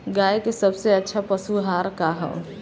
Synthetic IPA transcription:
ɡaːjekesɐbseɐtːʃʰapɐsuɦaːɾkaɦɛ̰

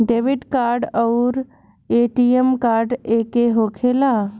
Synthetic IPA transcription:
ɖeʋiɖkaɾɖəʊɾ | eʈiemkaɾɖekeɦokʰela

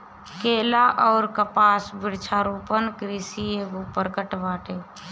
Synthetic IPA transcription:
keːlaʔɔːɾkəpaːsbɪɽt͡ʃʰaːɾuːpənkɾiːsieːɡupəɾkəʈʋaːʈeː

